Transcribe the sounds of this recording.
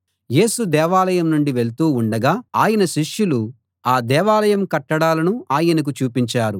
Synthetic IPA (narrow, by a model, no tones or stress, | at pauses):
je̞ːsud̪ɛːʋaːlɐjɐmnuɳɖiʋeɭt̪uːuɳɖɐɡaːaːjɐnɐʃiʂjulu | aːd̪ɛːʋaːlɐjɐmkɐʈːɐɽaːlɐnuaːjɐnɐk̬ut͡ʃuːpiɲt͡ʃaːɾu